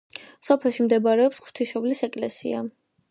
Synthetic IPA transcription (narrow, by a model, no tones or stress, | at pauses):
sɔpʰɛlˠʃimd̪ɛbaɾɛɔpsχw̥t̪ʰiʃɔblisɛkʼlɛ̰sḭa̰